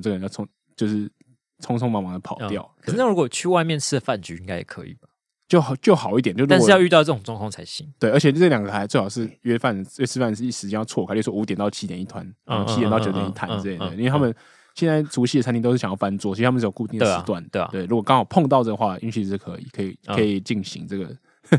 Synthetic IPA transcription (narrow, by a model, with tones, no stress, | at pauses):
ə˥˩ɡə˩ə˧˦jt͡sʰŋ | t͡ɕjo˥˧ʊʂɻ̩˥˩ | t͡sʰʊ˥ŋt͡sʰʊ˥ŋmɑ˥mɑ˧˥ŋd̪ə˩pʰɑ˨˩ʊt̪jɑ˥˩ʊt̪ʰə˨˩˥n˥˩ɻu˦˥koɔ˨˩t͡ɕʰy˥˧wa˥˧ɪmjɛ˥˧nʰɹ̩˥˩d̪ə˩fa˥˩nt͡ɕy˧˥i˦ŋka˥˦ɛ̰˨˩kʰɤ̰˧˦ḭ˨˩b̥ɐ˩ | t͡ɕjo˥˩ʊxt͡ɕjo˥˩ʊxɑ˨˩ʊi˥˩t̪̬jnt͡ɕo˥˧˩jɑ˥˧ʊy˥˧t̪ɑ˥˧ʊt͡sɤ˥˩o˨˩ŋt͡sʊ˥˧ŋk̪ʰŋt͡sʰa˧˥ɪɕi˧˥ŋt̪we˥˩ə˧˥t͡ɕʰɛ˨˩t͡sɤ˥˩ə˨jɑ˨˩ŋɡə˧˩a˧˥ɪt͡swe˥˩ɪɑ˨˩ʊʂɻ̩˥˩ɥɛ˥fa˥˩n˩ɥɛ˥sʰɹ̩˥˧fa˥˩nʂ̩˥˧i˥˩ʂɻ̩˧˥t͡ɕɛ˧nɑ˥˧t͡sʰwɔ˥˨kʰa˥˧˨ɥɛ˥˩wɔ˥˧u˧˥t̪jɛ˨nt̪ɑ˥˩ʊt͡ɕʰi˥t̪jɛ˨˩ni˥t̪ʰwa̰˦˥nn˦˥˩t͡ɕʰi˥˨nt̪ɑ˥˩ʊ˩t͡ɕo˨˥ʊt̪jɛ˨˧˦i˥˩t̪ʰa˨˦nn̩˧˥˨ə˥˩i˥we˧t̪ʰmə˨n | ɕjɛ˥˧nt͡sa˥˩ɪʈ͡ʂʰu˧˥ɕi˥˩ə˩a˥t̪i˧o˥˩ɕɑ˨jɑ˥˩˧fa˦nt͡swɔ˥t͡ɕʰa˥mə˨˧ɻjo˨˩ku˥˧i˥ŋd̪ʂ̩˧wa˥˩nt̪w̪we˥˩ɪɻu˧˥kwɔ˨˩kɑ˥ŋxɑ˨˩ʊpʰŋt̪ɑ˥ʊt͡sɤ˥˩ɡə˩xwa˥˩ʔḭ˥˧ɕy˥˧˥ʂ̩˥˩kʰɤ̰˧˥ḭ˨˩kʰɤ˧˦˥i˨˩kʰɤ˧˥i˨˩t͡ɕi˥˩ŋɕḭ˧˥ŋt͡sɤ˥˩ɡə̰˩